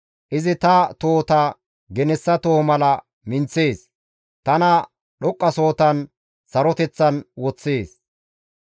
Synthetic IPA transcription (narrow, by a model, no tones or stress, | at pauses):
ʔɪzɪt̪ɐt̪oːt̪ɐ | ɡɛnɛsːɐt̪oːmɐlɐ | mɪnt͡sːe̞ːs | t̪ɐnɐ | ɗɔkʼːɐso̞ːt̪ɐn | sɐɾɔt̪ɛt͡sːɐnwɔt͡sːe̞ːs